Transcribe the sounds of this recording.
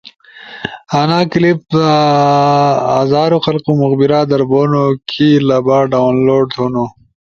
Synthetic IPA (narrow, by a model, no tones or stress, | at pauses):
anaːklip̚d̪a | aːzaːɾuxɐlqumʊɣbiɾad̪ɐɾboːnokʰilɐbaːɖaːwnloːɖtuno